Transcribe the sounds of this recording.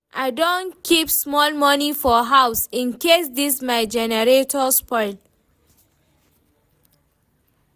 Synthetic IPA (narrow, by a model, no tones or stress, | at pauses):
ʔaɪdõnkʰipsmɔlmʌnifɔɦaʊsĩnkes̬d̪ismaɪd͡ʒɛnəɾetʰɔspɔɪl